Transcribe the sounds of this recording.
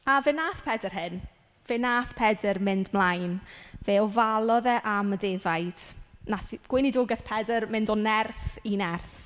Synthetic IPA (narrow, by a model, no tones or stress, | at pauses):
avenaːθpʰɛdərɦɪn | v̥enaːθpʰɛdərmɪndmlˠajnvɛːɔvalˠɔðɛʔamədeːvajd̥naθɡ̥wɪnidoːɡɛθpʰɛdərmɪndɔnɛrθinɛrθ